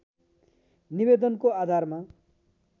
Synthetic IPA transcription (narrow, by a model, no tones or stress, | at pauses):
nibed̪ʌnkoad̪ʱarma